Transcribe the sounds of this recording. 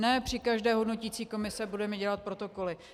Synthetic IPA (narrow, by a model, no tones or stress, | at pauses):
nɛpr̝̥ɪkaʒdɛːɦo̞dno̞ciːt͡siːko̞mɪsɛbudɛmɛɟɛlat̪̚pɾo̞t̪o̞ko̞lɪ